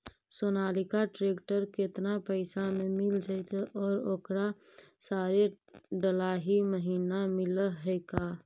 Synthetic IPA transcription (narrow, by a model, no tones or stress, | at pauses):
soːnaːlɪkaʈɾeːkʈəɾket̪napəɪsamẽmɪld͡ʒaɪt̪ʔɔːɾoːkɾa | saːɾe | ɖəlaːɦiməɦiːnamɪləɦɛːkaː